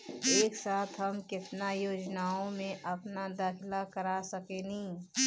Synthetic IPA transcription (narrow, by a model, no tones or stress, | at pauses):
eːksaːt̪ʰɦɐmkɪt̪najoːd͡ʒnaːõmẽʔɐpnad̪aːkʰɪlakəɾasɐkenɦĩː